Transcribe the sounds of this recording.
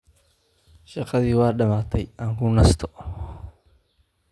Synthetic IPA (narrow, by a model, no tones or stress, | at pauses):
ʃɑqɑðiːwɑːɗɐmaːt̪ʰɛjaːŋkʰʊnɐst̪ʰɔ